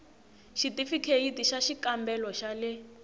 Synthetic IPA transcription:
ʃitifikʰejitiʃaʃikambɛlɔʃalɛ

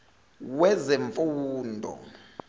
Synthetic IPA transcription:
wɛzeɱfuːndʱɔ̰

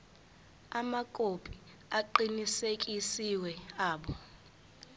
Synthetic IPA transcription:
amakʼopʼi̥ | aǃinisekʼisiwɛaːɓɔ

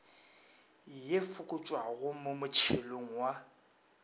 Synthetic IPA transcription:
jefʊkʼʊt͡ʃʼwaɣʊmʊmʊt͡ʃʰeloŋ̩wa

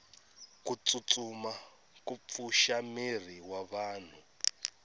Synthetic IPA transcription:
kut͡sʼut͡suma | kufuʃamir̤iwaβaːn̤u

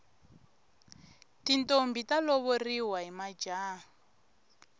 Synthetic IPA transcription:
tintombitalɔβɔriɦwaɦimad͡ʒaː

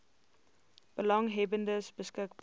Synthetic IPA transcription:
b̥əlɑŋɦɛbəndəsbəskəkb

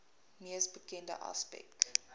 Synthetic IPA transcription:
miəsbəkɛndə̰ʔɑ̰spɛ̰k̚t

